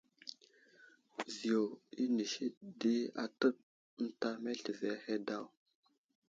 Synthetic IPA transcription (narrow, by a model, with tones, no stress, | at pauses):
zi˨jo˨i˦ni˨ʃi˦di˦a̰˨tə˦p̚ | n̩˦ta˦me˦ɬi˨ve˨˦he˦da˦w